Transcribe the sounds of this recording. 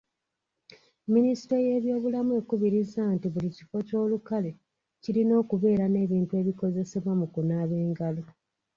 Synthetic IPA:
minisi̥teje̞ːβjo̞ːβulamue̞ːkuβiɾizaːntiβulici̥fo̞co̞ːlukale̞ | cilino̞ːkuβe̞ːɾane̞ːβiːntueːβiko̞ze̞se̞βwamukunaːβe̞ːŋɡalo̞

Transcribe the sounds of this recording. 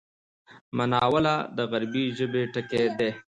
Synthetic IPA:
manɑwəlad̪əɣaɾbiʒəbeʈəked̪e

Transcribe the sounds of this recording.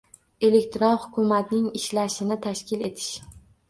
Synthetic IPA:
e̞le̞kʲt̪ʰɾonhʊ̥kʰʊmat̪nɪŋɪʃlaʃɪnɪt̪ʰaʃkʲɪle̞t̪ʰɪ̥ʃ

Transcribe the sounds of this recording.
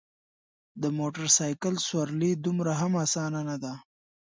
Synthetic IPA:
d̪əmoʈaɾsɑjkəlswaɾlid̪umɾaɦamaːsɑnanad̪a

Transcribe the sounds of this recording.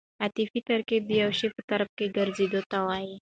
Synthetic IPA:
at̪ifit̪aɾked̪əjawʃepət̪aɾp̚keɡaɾzed̪ot̪awaji

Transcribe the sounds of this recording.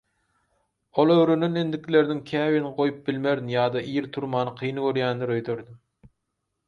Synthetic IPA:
olˠøwɾynynend̪ɪkʲʰleɾnɪŋkʲʰæːwinqʰojup̚bɪlmeɾd̪jɑːd̪ɑijiɾt̪ʰuɾmɑːnɨqʰijnɨɡʲøɾjɛnd̪ɪɾøjt̪ʰøɾd̪ɪm

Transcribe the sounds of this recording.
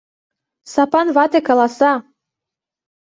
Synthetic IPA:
sɑpɑnβɑt̪ekɑlɑsɑ

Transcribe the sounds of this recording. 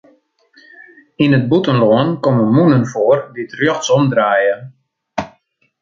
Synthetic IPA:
inət̚butənloənkoməmunənfoərdiətrjøxtsɔmdraːjə

